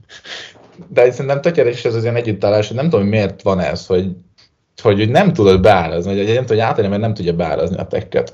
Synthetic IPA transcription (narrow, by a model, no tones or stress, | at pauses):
d̪ɛocsɛɾint̪ɛmt̪økɛɾɛkiʃɛzɒziɛnɛɟːyt̪ːɒlaːlʃhonɛmt̪omɦomeːrt̪ʋɒnɛ̰sho̞ɟ | ho̞ɟuɟnɛmt̪ud̪od̪bɛaːɾɒzninɛmt̪omːaːt̪ɒnjɐmɛrnɛmt̪udɟːɒbɛa̰ːɾɒ̰znḭɒ̰t̪ɛ̰kːɛ̰t̪